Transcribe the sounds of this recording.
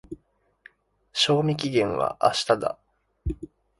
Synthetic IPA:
ɕo̞ːmʲik̬ʲiɡẽ̞ɰ̃βa̰ʔa̰ɕi̥t̪ad̪a̰

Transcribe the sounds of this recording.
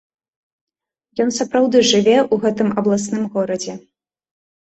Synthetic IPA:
jɔnsapɾawd̪ɨʐɨvʲɛuɣɛt̪ɨmɐblˠasnɨmɣɔɾɐd͡zʲɛ

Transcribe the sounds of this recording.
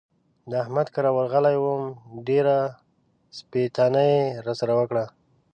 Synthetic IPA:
d̪əahmad̪kəɾɑwəɾɣəlajwəmɖeɾa | spet̪ɑnajeɾasaɾawəkɽa

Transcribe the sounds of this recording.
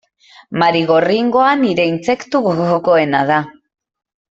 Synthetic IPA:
maɾiɣo̞riŋɡo̞aniɾe̞int͡se̞kt̪uɣoɣoko̞e̞naða

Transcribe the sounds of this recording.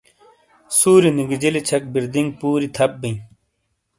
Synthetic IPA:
suːɾiniɡid͡ʑilit͡ɕʰɐk̚biɾd̪iŋɡ̚puːɾit̪ʰɐpːĩ

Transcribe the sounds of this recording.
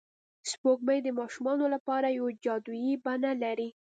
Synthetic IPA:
spoɡməjd̪əmɑʃumɑnolapɑɾajawad͡ʒɑd̪ujibanalaɾi

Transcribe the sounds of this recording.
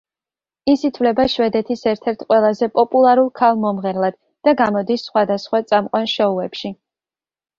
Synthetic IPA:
isit̪ʰwlɛbaʃwɛd̪ɛt̪ʰisɛɾt̪ʰɛɾt̪ʰqʼwɛlˠazɛpʼɔpʼulˠaɾulˠkʰalˠmɔmʁɛɾlˠad̪̥ | d̪̥aɡamɔd̪isːχwad̪asχwat̪sʼamqʼwanʃɔuɛpʃi

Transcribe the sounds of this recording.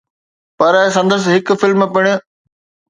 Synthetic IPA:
pɐɾsɐ̃nd̪əɾs̬ɦɪkʊ̆fɪlmpɪɽ̃ʊ̆

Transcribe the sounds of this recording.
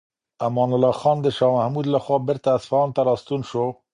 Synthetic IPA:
ʔæmɑːnəlɑːxɑːnd̪əʃɑːmæhmuːd̪ləxʷɑbɪɾt̪æsfɑːnt̪ɛɾɑːst̪uːnʃo

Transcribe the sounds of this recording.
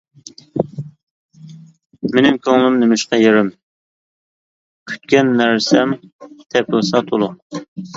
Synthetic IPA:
menɪmkʲʰøŋlɪmnɪmɪʃqɑjeɾɪm | kʲʰy̥t̪kʲɛnːæɾsɛmt̪ʰɛpʊlˠsɑt̪ʰolˠʊ

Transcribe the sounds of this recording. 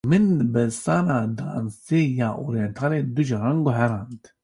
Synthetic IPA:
mɨnbɛsaːnaːd̪a̰ːnseːjaːʔoɾijɛnt̪ʰaːled̪uʒɾaŋɡuɦɛɾand̪

